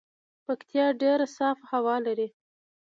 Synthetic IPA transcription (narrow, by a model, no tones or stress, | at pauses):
pakt̪jɑɖeɾasɑfhawɑlaɾi